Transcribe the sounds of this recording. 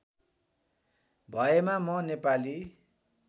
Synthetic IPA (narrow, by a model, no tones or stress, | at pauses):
bʱʌemamʌnepali